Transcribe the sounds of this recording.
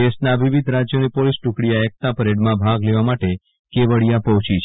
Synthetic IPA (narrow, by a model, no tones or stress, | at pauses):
esnaʋiʋid̪ʱɾad͡ʒjonipolisʈukɽijaɛk̚t̪apəɾeɖmãbʱaɡleʋamaʈe | keʋəɭijapəʋt͡ʃit͡ʃʰ